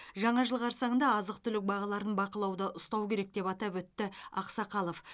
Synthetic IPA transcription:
ʒɑɴɑʒəlˠʁɑɾsɑɴənd̪ɑːzəq̚t̪ʰʏlɪk̚bɑʁɑlˠɑɾənbɑqəlˠɑwd̪əʔʊst̪ɑwkʲʰe̞ɾe̞k̚d̪e̞pɑt̪ɑpwɵt̪ːɪɑqsɑqɑlˠof

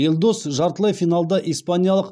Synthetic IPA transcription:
elʲˠd̪osʒɑɾt̪əlˠɑjfijnalˠd̪ɑʔijspanʲijalˠəq

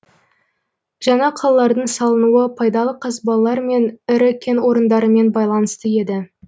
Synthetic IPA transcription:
ʒɑɴɑqʰɑlˠɑlɑɾd̪əɴsɑlˠənuəpʰɑjd̪ɑlˠəqʰɑsbɑlˠɑlˠɑɾme̞nɪɾɪkʲʰe̞nwo̞ɾənd̪ɑɾəme̞nbɑjlˠɑnəst̪əje̞d̪ɪ

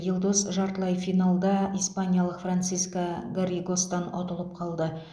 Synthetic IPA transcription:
jɪlˠd̪osʒɑɾt̪lˠɑjfijnalˠd̪ɑijspanʲijɑlˠəqfrant̪sijskaɡaɾʲiɡost̪ɑno̰t̪əlˠəp̚qʰɑlˠd̪ə

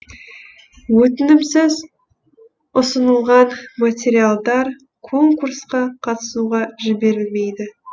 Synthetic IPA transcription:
wɵt̪ɪnɪmsɪz | ʊsənəlˠʁɑnmat̪ʲeɾijalˠd̪ɑɾ | kʰo̞ŋkursqɑqʰɑt̪ə̥suʁɑʒɪbe̞ɾɪlme̞jd̪ɪ

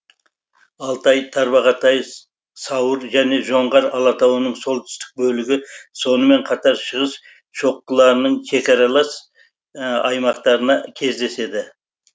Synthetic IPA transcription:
ɑlˠt̪ɑjt̪ʰɑɾbɑʁɑt̪ɑj | sɑwəɾʒæne̞ʒo̞ɴʁɑɾɑlˠɑt̪ɑwənəɴso̞lˠt̪ʰʏ̥st̪ɪ̥k̚bɵlɪɡʲɪso̞nəme̞ɴqʰɑt̪ɑɾʃəʁəs | ʃo̞q̚t̪əlˠɑɾənəɴʃʰe̞kʲɑɾɑlˠɑs | ɑjmɑqt̪ɑɾənɑkʲʰe̞zd̪e̞se̞d̪ɪ

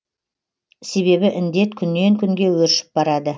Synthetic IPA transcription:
se̞βe̞βɪʔɪnd̪e̞t̪kʲʰʏnːe̞ŋkʲʰʏŋɡʲe̞wɵɾʃɪ̥p̚bɑɾɑd̪ə

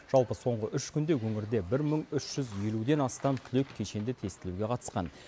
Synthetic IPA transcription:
ʒ̥ɑlˠpəso̞ɴʁəʔʏʃkʲʰʏnd̪e̞wɵŋɪɾd̪e̞bɪɾməɴʏʃʒ̥ʏzje̞lud̪e̞nɑst̪ɑmt̪ʰɪlekʲʰːe̞ʃe̞nd̪ɪt̪ʰe̞st̪ɪluɡʲe̞qʰɑt̪ə̥sqɑ̰n

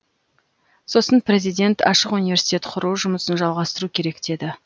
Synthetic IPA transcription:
so̞sənpɾʲe̞zijd̪ʲe̞nt̪ʰɑ̰ʃəqunijvʲe̞ɾsi̥jt̪ʲe̞t̪qʰʊɾuwʒʊməsənʒɑlˠʁɑst̪əɾukʲʰe̞ɾe̞kd̪̥e̞d̪ɪ

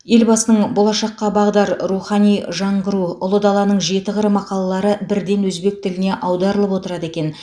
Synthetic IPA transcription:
je̞lbɑsənəɴbo̞lˠɑʃɑqːɑbɑʁd̪ɑɾɾuχɑnijʒɑɴʁəɾuʊlˠəd̪ɑlˠɑnəɴʒe̞t̪ɪʁəɾəmɑqɑlˠɑlˠɑɾəbɪɾd̪e̞nwɵzbe̞k̚t̪ʰɪlɪne̞ʔɑwd̪ɑɾəlˠəpwo̞t̪əɾɑd̪əe̞kʲe̞n

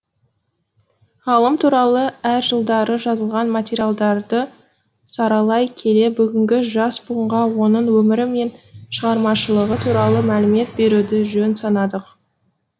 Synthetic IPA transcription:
ɑlˠəmt̪ʰuɾɑlˠəæɾʒəlˠd̪ɑɾəʒɑzəlˠʁɑnmat̪ʲeɾijalˠd̪ɑɾd̪ə | sɑɾɑlˠɑjkʲʰe̞le̞bʏɡʲɪŋɡʲɪʒɑsbuəɴʁɑwo̞nəɴwɵmɪɾɪme̞nʃəʁɑɾmɑʃəlˠəʁət̪ʰuɾɑlˠəmælɪme̞t̪̚be̞ɾud̪ɪʒɵnsɑnɑd̪əq

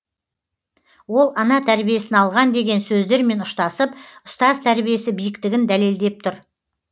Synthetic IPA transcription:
wo̞lˠɑnɑt̪ʰæɾbije̞sɪnɑlˠʁɑnd̪e̞ɡʲe̞nsɵzd̪e̞ɾme̞nʊʃt̪ɑsəpʊst̪ɑzt̪ʰæɾbije̞sɪbijɪkt̪ɪɡʲɪnd̪æle̞ld̪e̞p̚t̪ʰʊɾ

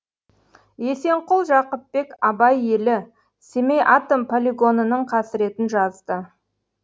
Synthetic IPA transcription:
je̞se̞ɴqʊlˠʒɑqəpːe̞kɑbɑje̞lɪ | semejʔɑt̪ompʰolʲiɡo̞nənəɴqʰɑsɪɾe̞t̪ɪnʒɑzd̪ə

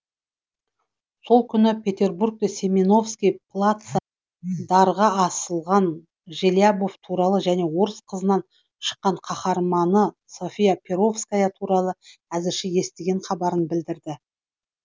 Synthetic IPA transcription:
so̞lˠkʲʰʏnɪpʲʰe̞t̪ʲe̞rburk̚t̪esʲemino̞fskʲijpʰlˠat̪sa | d̪ɑɾʁɑɑsəlˠʁɑn | ʒeljabo̞ft̪ʰuɾɑlˠəʒæne̞wo̞ɾəsqʰəzənɑn | ʃə̥qːɑɴqʰɑχɑɾmɑnə | so̞fʲijapʲʰeɾo̞fskajət̪ʰuɾɑlˠəæzɪɾʃɪje̞st̪e̞ɡʲe̞ɴχɑbɑɾənbɪld̪ɪɾd̪ɪ

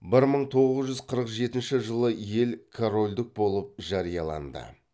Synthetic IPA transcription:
bɪɾməɴt̪ʰo̞ʁəzʒʏzqʰəɾəqʒe̞t̪ɪnʃɪʒəlˠəje̞lkʰoɾo̞lʲd̪ɪk̚bo̞lˠəp̚ʒɑɾijɑlˠɑ̰nd̪ə̰

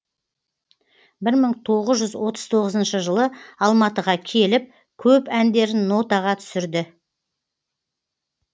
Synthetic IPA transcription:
bɪɾməɴt̪ʰo̞ʁəzʒʏzwo̞t̪əz̥t̪ʰo̞ʁəzənʃəʒəlˠəɑlˠmɑt̪əʁɑkʲʰe̞lɪp̚ | kʲʰɵpænd̪e̞ɾɪnːo̞t̪ɑʁɑt̪ʰʏ̥sɪɾd̪ɪ

